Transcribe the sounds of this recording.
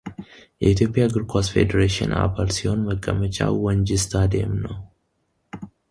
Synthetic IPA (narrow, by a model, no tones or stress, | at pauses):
jɛit̪ʰjo̞pʼijaɡɨɾkʰasfe̞̰d̪əɾeʃɨ̰na̰balsiho̞nməɡʼːəmət͡ʃʼa̰wɔnd͡ʒɪst̪ʰad̪ḛmnəw